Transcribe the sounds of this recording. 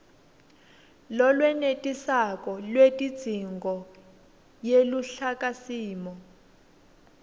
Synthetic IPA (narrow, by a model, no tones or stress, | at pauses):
lɔlwɛnetʼisakɔlwetʼid̥z̥ʱiŋɡʱɔ | jeluɬakʼasiːmɔ